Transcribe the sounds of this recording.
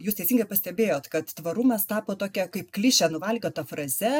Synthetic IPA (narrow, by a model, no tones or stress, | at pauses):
juːst̪ʲɛɪsʲiŋɡɐɪpɐsʲt̪ʲɛbʲeːjoːt̪kɐt̪t̪ʋɐɾumɐst̪ɑːpoːt̪oːkʲɛkɐɪpklʲɪʃʲɛnʊʋɐlʲɡʲoːt̪ɐfɾɐzʲɛ